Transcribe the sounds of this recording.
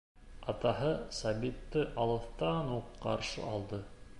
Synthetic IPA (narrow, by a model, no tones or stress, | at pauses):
ɑt̪ɑɦɤsɑbit̪ːɘʔɑlˠɤ̆θt̪ɑnuqːɑ̰ɾʃɤ̰ɑlˠd̪ɤ